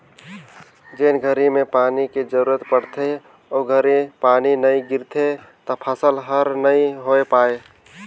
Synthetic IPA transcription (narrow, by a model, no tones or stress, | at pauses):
d͡ʒeːnɡʱəɾimepaːniked͡ʒəɾuɾət̪pəɽ̤t̪ʰe | oɡʱəɾipaːninəĩɡɪɾt̪ʰe | t̪ɔpʰəsəlɦəɾnəĩɦoepaːe